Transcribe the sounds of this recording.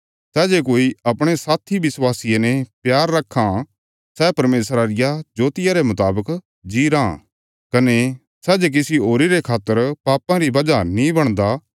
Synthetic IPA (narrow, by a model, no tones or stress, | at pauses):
sɛːd͡ʒekoːiɐpɽ̃esaːt̪ʰibɪswaːsɪjenɛpjaːɾːɐkʰːã | sɛːpɐɾmeːsɾaɾɪjad͡ʒoːt̪ɪjaɾemʊt̪aːbək | d͡ʒiːɾãː | kɐne | sɛːd͡ʒek̬ɪsiɦoːɾiɾekʰaːt̪ːəɾpaːpãɾibɐd͡ʒanĩbɐɽ̃d̪a